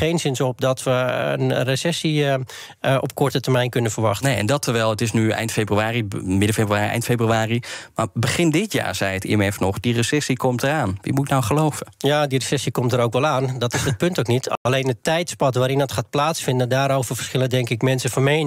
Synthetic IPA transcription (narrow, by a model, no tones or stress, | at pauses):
ejnsɪnsɔp̚dɔtʋəə̰nresɛsi | ʔɔp̚kɔrtətərmɛjnkønənfəɹʋɑxtnejɛ̰ndɔtʰəɹʋɛlˠətɪsnyɛ̰jntfebryaːrimɪdəfebryaːiɛ̰jntfebryaːrimabəχɪndɪtja̰ːɹzɛjətɪ̰mɛfnɔχdirəsɛsikɔmtəɾaːnʋḭmuɪknawχəlowvəjaːdiresɛsikɔmtəɾowkʋɛlˠaːndɔtɪsət̚pøntoknitalejnətːɛjtspɔtʋaːɾɪndɔtxaːt̚plaːtsfɪndəndaːɾowvərfə̥rsxɪlˠəndɛŋkɪkmɛnsəfɔmejn